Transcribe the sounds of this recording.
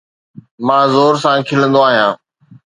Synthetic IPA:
mãːzoːɾsãːkʰɪlə̃nd̪oaːɦijãː

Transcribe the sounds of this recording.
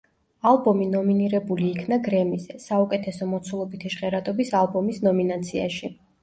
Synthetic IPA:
alˠbɔminɔminiɾɛbuliːkʰnaɡɾɛmizɛsaukʼɛt̪ʰɛsɔmɔt̪sʰulˠɔbit̪ʰiʃʁɛɾat̪ʼɔbisalˠbɔmisnɔminat̪sʰia̰ʃi

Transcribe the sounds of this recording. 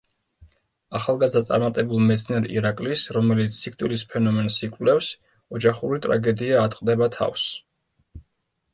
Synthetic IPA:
aχalˠɡazd̪at̪sʼa̰ɾmat̪ʼɛbulˠmɛt̪sʰniɛɾḭɾakʼlisɾɔmɛlit̪sʰːik̚ʰt̪ʼwilispʰɛnɔmɛnsikʼwvlɛfs | ɔd͡ʒaχuɾit̪ʼɾa̰ɡɛd̪iaːt̪ʼqʼd̪ɛbat̪ʰa̰fs

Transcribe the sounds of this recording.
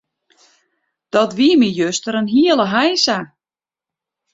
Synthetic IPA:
d̥ɔtʋiəmijøstəɾənɦiəlˠəɦajsa

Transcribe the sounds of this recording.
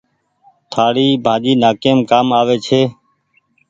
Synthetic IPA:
t̪ʰaːɽiːbʱãːd͡ʒiːnaːkeːmkaːmaːʋeːt͡ʃʰeː

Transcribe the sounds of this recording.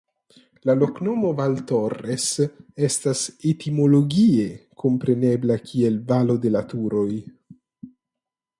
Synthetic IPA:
lalo̞knomo̞valtoresestasetimo̞loɡie̞kʰo̞mpɾe̞ne̞blakʰie̞lvalo̞de̞lat̪uɾo̞j

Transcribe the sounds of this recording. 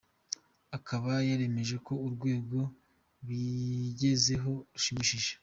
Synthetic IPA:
akʰaβajaɾe̞me̞ʒe̞ko̞uɾɡwe̞ːɡɡo̞ | βwiɟe̞ze̞ɦo̞ɾuʃimiːʃiʒe

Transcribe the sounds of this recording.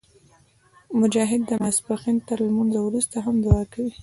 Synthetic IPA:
mʊd͡ʒɑɦɪd̪ːəmasbaqint̪əɾlmanzawɾust̪aɦamd̪uɑkawi

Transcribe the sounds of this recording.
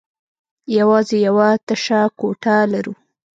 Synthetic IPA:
jawɑzejawat̪aʃakoʈalaɾu

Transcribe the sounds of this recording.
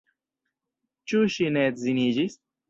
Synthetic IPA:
t͡ʃuɕinet̪zinid͡ʑis

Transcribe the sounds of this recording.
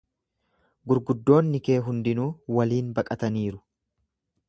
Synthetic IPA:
ɡʊɾɡʊd̪ːo̞ːnːɪke̞ːɦʊnd̪ɪnuːwɐliːnbɐkʼɐt̪ɐniːɾʊ̥

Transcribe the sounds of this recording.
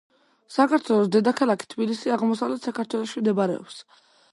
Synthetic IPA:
sakaɾt̪ʰwɛlˠɔsd̪ɛd̪akʰalˠakʰi̥t̪ʰbilisiaʁmɔsavlɛt̪sakaɾt̪ʰwɛlˠɔʃimd̪ɛbaɾɛ̰ɔ̰ps

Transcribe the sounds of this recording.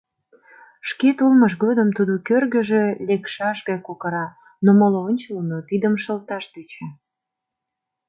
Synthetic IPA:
ʃket̪ulməʃ̬ɣod̪əmt̪ud̪okørɣə̆ʒelekʃɑʃɣɑjkokəɾɑ | nomoloonʲt͡ɕəlnot̪id̪əmʃəlt̪ɑʃd̪et͡ɕɑ

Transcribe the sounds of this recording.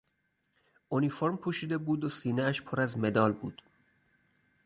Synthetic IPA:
ʔonifoɾmpʰuːʃiːd̪e̞buːd̪osiːneæʃpʰoɾæzme̞d̪ɒːlbṵːd̪̥

